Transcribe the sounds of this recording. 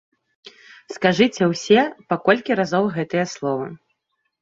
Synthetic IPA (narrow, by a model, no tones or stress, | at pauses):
skaʐɨt͡sʲɛwsʲɛpakɔlʲkʲiɾazɔwɣɛt̪ɐjɐslˠɔvɐ̰